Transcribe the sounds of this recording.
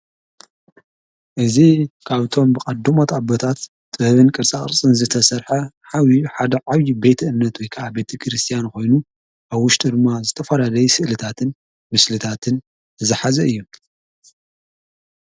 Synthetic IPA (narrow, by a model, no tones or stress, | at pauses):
ʔɨzikʰaβt̪ʰo̞mbɨkʼɐd̪ːumot̪ʰabot̪ʰat̪ːʼ | bɐβɨnkʼɨɾt͡sʼaχʼɨɾt͡sʼɨnzɨt̪ʰɐsɐɾħɐħawiħad̪ɐʕaβjibe̞t̪ʰɐʔɨnːɐt̪wɔjkʰɐʕabe̞t̪ʰɐkʰɾɨst̪ʰijanko̞jnu | ʔaβwʊʃt̪ʼid̪ɨmːazɨt̪ʰɐfɐlalɐjusɨʔlɨt̪ʰat̪ʰɨn | mɨslɨt̪ʰat̪ʰɨn | ɨzɨħazɐɨjːu